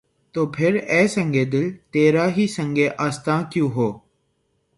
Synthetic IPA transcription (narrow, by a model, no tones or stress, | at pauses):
t̪oːpʰɪɾɛːsə̃ŋɡʱeːd̪ɪlt̪eːɾaːɦiːsə̃ŋɡeːʔaːst̪ãːkjũːɦoː